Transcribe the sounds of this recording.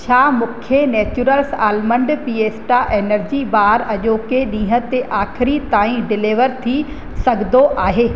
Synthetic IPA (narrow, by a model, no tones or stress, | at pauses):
t͡ɕʰaːmʊkʰjenɛːt͡ɕuɾəlsaːlmə̃ɳɖpiːeːsʈaʔeːnəɾd͡ʑibaːɾɐʄoːkeɗĩːɦət̪eʔaːkʰɪɾit̪aːĩɖɪleʋəɾt̪ʰi | sɐɡʱd̪oʔaːɦeː